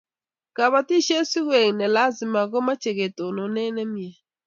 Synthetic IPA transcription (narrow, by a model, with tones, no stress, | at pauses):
ka˨βa˨ti˦ʃe˦si˦hwe˨ŋ˨nɛ˨la˦zɪ˨ma˨ɡo˦ma˦t͡ʃe˨ɣe˨to˨no˨ne˦ne˦mi˦e˨